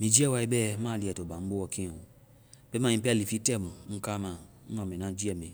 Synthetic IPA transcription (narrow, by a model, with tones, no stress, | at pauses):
mĩ˨d͡ʒi˦ɛ˦wa˦i˦bɛ˦ma˦˨li˨ɛ˨tɔ˨bã˨m̩˦bo˦wɔ˨kĩ˦ɔ̃˨ | bɛ˦mã˨ĩ˦pɛ˦li˨fi˦tɛ˦mũ˨ŋ̩˦ka˦mã˨n̩˦nɔ̃˨mĩ˨nã˦d͡ʒi˦ɛ˨mɛ̃˨